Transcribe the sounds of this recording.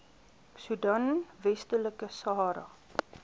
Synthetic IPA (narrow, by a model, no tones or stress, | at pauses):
sudɐnvɛstələkəsɑːɾɐ̰